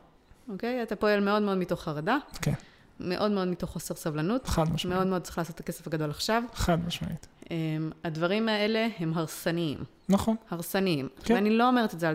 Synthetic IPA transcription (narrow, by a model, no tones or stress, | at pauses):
oke̞jatapo̞e̞lme̞o̞dme̞o̞dmito̞χaʁadaken | me̞ʔo̞dme̞o̞dmito̞χoseʁsavlanut̪ad̪mameo̞d̪meot͡sʁi̥χlaːso̞tːake̞se̥faɡado̞laχʃavχad̪maʃma̰it̪emadvaʁimae̞le̞he̞mɦaʁsaniḭm | nɐχonhaʁsaniimanilo̞ome̞ʁetetzea